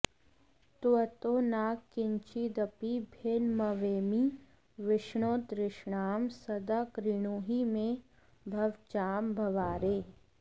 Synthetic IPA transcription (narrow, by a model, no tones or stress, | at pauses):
t̪ət̪oːnaːkkːɪɲt͡ʃid̪ɐpibʱenmɐʋeːmi | ʋɪʃɳoːt̪ɾɪʃɳaːmsɐd̪akɾɪɽ̃oːɦimẽ | bʱɐʋt͡ʃaːmbʱɐʋaːɾeː